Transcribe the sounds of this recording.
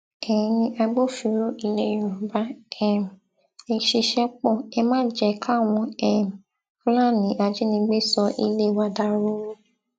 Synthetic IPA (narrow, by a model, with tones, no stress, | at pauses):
ɛ˨ĩ˨˧nĩ˧ʔa˧ɡ͡bo˦fi˨˦ɾo˦ʔi˧le˦˨ũ˨ba˨˦ɛ˨m˨ | e˨ʃe˧ʃɛ˦k͡pɔ˦˨ɛ˧mãː˦d͡ʒɛ˧˦kʰa˦˨w̃ɔ̃˧ɛ˦˨˦ | la˦˨nĩ˨˦ʔa˧d͡ʒe˨˦nĩ˧ɡ͡be˦sɔ˧ʔi˧le˦˨wa˧da˧˦ɾo˦wũ˦